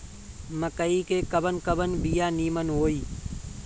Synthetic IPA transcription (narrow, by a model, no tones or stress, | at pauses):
məkəiːkeːkəbʱənkəbənbijaːniːmənɦoːiː